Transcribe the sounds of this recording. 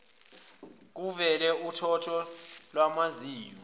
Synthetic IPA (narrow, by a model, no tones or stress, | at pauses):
k̬uvɛlɛʔutʰɔtʰɔlwamaziːjɔ